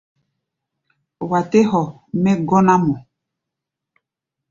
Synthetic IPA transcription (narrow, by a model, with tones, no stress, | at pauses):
wa˨te˦ɦɔ˨ | mɛ˦ɡɔ˦na˦mɔ˨